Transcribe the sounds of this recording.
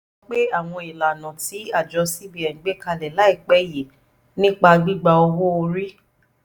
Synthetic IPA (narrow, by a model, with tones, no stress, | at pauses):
ɔ˦k͡pe˦a˦˨w̃ɔ̃˧i˨la˨nã˨ti˨˦a˦˨d͡ʒɔ˧si˦bi˦ɛ˨ŋ̩˨˦ɡ͡be˦ka˧lɛ˨la˨˦i˦˨k͡pɛ˨˦je˨ | nĩ˦k͡pa˧ɡ͡bi˦ɡ͡ba˧o˧wo˦o˧ɾi˦